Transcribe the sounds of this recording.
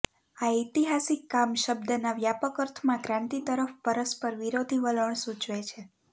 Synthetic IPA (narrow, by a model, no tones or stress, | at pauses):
ait̪iɦasikːamʃəb̚d̪ənaʋjapəkəɾt̪ʰmãkɾãnt̪it̪əɾəfpəɾəspəɾʋiɾod̪ʱiʋələɳ̃sũt͡ʃʋet͡ʃʰe